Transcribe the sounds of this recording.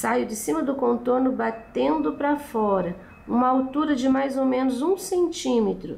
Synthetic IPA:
sajʊd͡ʒɪsĩmɐd̪ʊkõnt̪oɾnʊbat̪ẽnd̪ʊpɾɐfɔɾɐ | ṵ̃mɐawt̪uɾɐd͡ʒɪmajzomẽnʊzũsẽnt͡ʃĩmet̪ɾʊ̰

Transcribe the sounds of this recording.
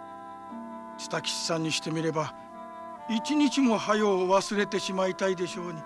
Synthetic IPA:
t͡sɨ̥t̪akʲi̥ɕi̥sãɲ̟ːiɕi̥t̪e̞mʲiɾe̞ba | it͡ɕiɲ̟it͡ɕimo̞hajo̞ːβasɨɾe̞t̪e̞ɕimait̪aid̪e̞ɕo̞ːɲ̟i

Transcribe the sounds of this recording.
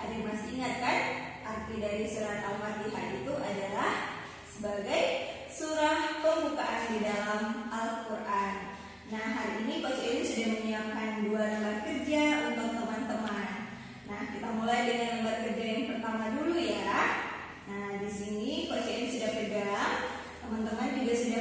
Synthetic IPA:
adamasiːŋat̪̚kanʔart̪idaɾisuɾanalfat̪iɦa̰it̪uʔadalah | səbaɡaj | suɾahpəŋbukaʔandidalamalkurʔanː | ahɦaɾiinikot͡ʃainisudahməɲiamkanduanəmat̪̚kərd͡ʒaunt̪ʊk̚t̪əmant̪əman | nahkit̪amulajdəŋanəbat̪̚kərd͡ʒajaŋpərt̪amadulujaɾaʔ | nahdisinikot͡ʃainisudaʔ̚kərd͡ʒa | t̪əmant̪əmant̪iɡaʔsuda

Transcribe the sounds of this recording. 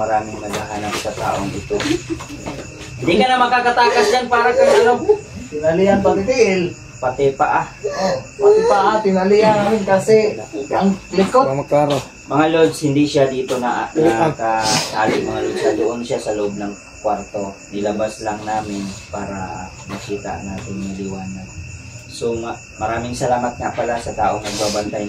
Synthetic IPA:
mɐɾaːmɪŋmɐɡaɦanapsɐt̪a̰ːʔoŋʔɪt̪o | hɪnd̪ikɐnamɐkakɐt̪aːkɐsd͡ʒanpaːɾɐkɐŋɐɾob̚t̪ɪnɐlɪɐnpɐt̪ɪt̪ɪʔɪl | pɐt̪ɛpɐʔaopat̪ɛpɐʔat̪ɪnɐlɪjaamɪnkasɛɐŋlɪkokaɾ | mɐŋalod̪shɪnd̪isjad̪iːt̪onɐʔnkɐt̪a̰ːlɪŋmɐŋalod̪sɐd̪oʔonʃjasɐloʔob̚nɐŋ | kwaɾt̪o̞nɪlɐbaslaŋnaːmɪnpaːɾɐ̰ | mɐkiːt̪a̰ʔnaːt̪ɪŋnɐlɪwaːnɐd̪̚ | soŋa | mɐɾaːmɪŋsɐlaːmɐt̪̚ŋɐpɐlasɐt̪a̰ːʔoŋnɐɡ̚baːbɐnt̪aj

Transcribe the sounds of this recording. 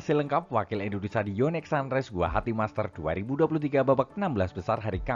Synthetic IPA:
siləŋkap̚wakɪlindunisadijɔnɛksandɾɛsɡua̰ɦat̪imast̪ərd̥ua̰ɾibuduapulut̪iɡababak̚ənambəlasbəsarɦaɾika

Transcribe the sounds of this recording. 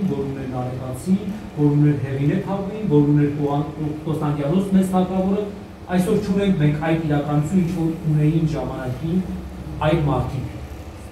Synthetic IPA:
vɔɾunɛnɑɾɛvɑt͡sʰinvɔɾunɛɾɦɛʁiɾɛt̪ʰɑpvinvɔɾunɛɾkɔst̪ɑnd̪jɑnɔt͡sʰmɛt͡st̪ʰɑkɑvɔɾə | ɑjsɔɾt͡ʃʰunɛŋkʰmɛŋkʰɑjt̪iɾɑkɑnɔt͡sʰuint͡ʃʰvɔɾunɛjinkʒɑmɑnɑkin | ɑjlmɑɾt̪ʰikʰ

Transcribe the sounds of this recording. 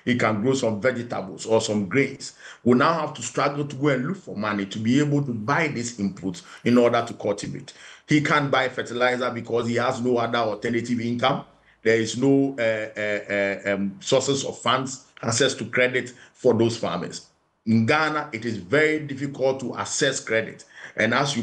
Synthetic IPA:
hikãnɡɹosɔ̃ɱvɛd͡ʒita̰blˠsɔsɔ̃mɡɹẽnswinaʊhaftustɹ̥aɡl̩ˠtuɡoɛ̃nlukfɔmanitʰubiebəlˠtubaɪdisĩmpʰutĩnɔdətukʰɔtʰibṵthikʰãnbaɪfɛtilaɪzabikʰɔshihaznoadəɔtɛnetivĩnkãm | dɛiznoɛ | sɔsɛ̃sɔ̰v̥fãndsasɛstukʰɹɛdɪtfɔðosfa̰mlḭs | ĩnɡanaʔɪtɪzvɛɹidifikʰɔltʰːuʔa̰sɛskɹɛdɪ̰tʔɛ̃nasju

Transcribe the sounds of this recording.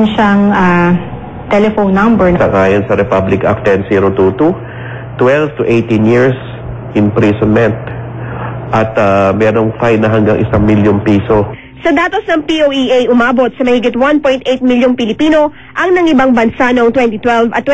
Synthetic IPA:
nʃaŋa | t̪ɛlɛfownːɐmbɛɹsɐŋʔaːjonsɐɾɛpablɪka̰k̚t̪ɛnsiːɾot̪ut̪u | t̪wɛlvt̪ʊʔejt̪ɪnjiɹs | ʔɪnpɾisonmɛnt̪̚ | ʔɐt̪amɛːɾoŋfajnɐɦɐŋɡaŋʔɪ̰saŋmiljonpiːso̞ | sɐd̪aːt̪osnɐŋpiʔoːʔiʔejʔʊmaːbo̞t̪̚sɐmɐhiɡɪt̪̚wanpo̞jnt̪ʔejt̪̚miljoŋpɪlɪpiːno̞ | ʔɐŋnɐŋʔɪbaŋbɐnsanoʔoŋt̪wɛnt̪it̪wɛlvɐt̪ːwɛ

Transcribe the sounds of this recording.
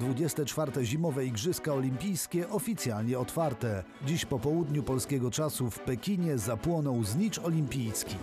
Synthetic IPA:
d̪vud͡ʑɛst̪ɛt͡ʂfaɾt̪ɛʑimɔvɛiɡʐɘskaɔlʲimʲpʲijskʲɛʔɔfʲit̪sʲjalɲɛɔt̪faɾt̪ɛ | d͡ʑiɕpɔpɔwud̪ɲupɔlskʲɛɡɔt͡ʂasufpɛkʲiɲɛzapwɔnɔwzɲit͡ʂɔlʲimpʲijskʲi

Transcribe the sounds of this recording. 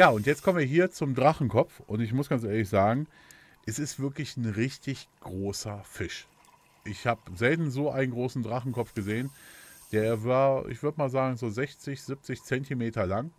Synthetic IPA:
jaːʊntjɛt͡st̚kʰɔmənviːɐɦiːɐt͡sʊmdʁaχn̩kʰɔpp͡fʔʊntɪç̬mʊsɡ̥ant͡sʔeːɐlɪçz̥aːɡŋ̩ | ʔɛsɪstv̥ɪɐklɪçn̩ʁɪçtɪçɡ̥ʁoːsɐfɪʃ | ʔɪçhaːbzɛltn̩zoːʔa̰ɪnənɡʁoːsn̩dʁaχn̩kʰɔpfɡ̥əzeːənd̥eːɐvaːɐʔɪ̰çv̥ʏɐdəmaːlzaːɡŋ̩zoːzɛçt͡sɪçz̥ɪp̚t͡sɪçt͡sɛntimeːtɐlaŋ

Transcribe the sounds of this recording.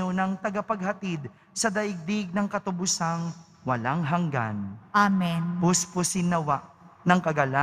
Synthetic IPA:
onɐŋt̪ɐɡɐpɐɡ̚hɐt̪id̪̚ | sɐd̪ɐʔɪɡ̚d̪ɪɡ̚nɐŋkɐt̪ʊbʊsaŋ | wɐlaŋɦɐŋɡa̰nʔamɛnpʊspʊsɪnɐwaʔ | nɐŋkɐɡɐla

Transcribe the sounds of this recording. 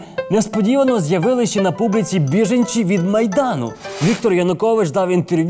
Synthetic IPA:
nɛspɔdʲiʋɐnɔzjɐʋɪlˠɪʃt͡ʃɛnɐpublʲit͡sʲibʲiʒenʲt͡ʃiʋʲid̪mɐjd̪ɑnʊ̰ʋʲikt̪ɔrjɐnʊkɔʋɪt͡ʃd̪ɑwint̪erʋʲ

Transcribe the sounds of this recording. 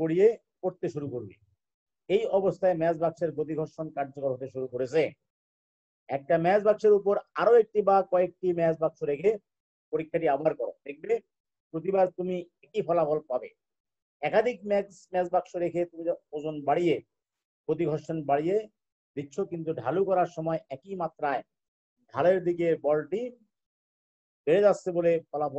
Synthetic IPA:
koɽije | koɾt̪eʃuɾukoɾbḛ | ejɔbost̪ʰaemɛd͡ʑbakʃeɾɡot̪̬iɡʱɔɾʃonkaɾd͡ʑokoɾɦot̪eʃuɾukoɾet͡ɕʰe | ɛk̚ʈamɛd͡ʑbakʃeɾup̬oɾaɾoek̚ʈibakɔek̚ʈimɛd͡ʑbakʃoɾekʰe | poɾikʰːaʈiabaɾkɔɾo̰d̪ek̚ʰbe | pɾot̪ibaɾt̪umiɛkifʰɔlafɔlpabe | ɛkad̪ʱikmɛksmɛd͡ʑbakʃoɾekʰet̪umiod͡ʑonbaɽije | pɾot̪̬iɡʱɔʃenbaɽije | d̪ikːɕʰokint̪̬uɖʱa̰lukɔɾaɾʃɔmɔeʔɛkimat̪ːɾae | dʱaleɾd̪ik̬ebɔlʈi | beɾed͡ʑatːɕʰebolefʰɔlafɔ

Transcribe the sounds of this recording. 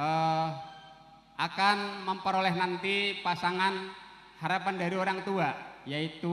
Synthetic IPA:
ə | ʔakanməmpəɾolɛɦnant̪ipasaŋan | haɾapandaɾioɾaŋt̪uajait̪u

